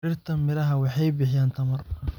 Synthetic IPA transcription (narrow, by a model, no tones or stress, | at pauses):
ɪrt̪ʰɐmɪɾɐɦɐwɑħɑjbɪħɪjaːnt̪ʰɐmɐr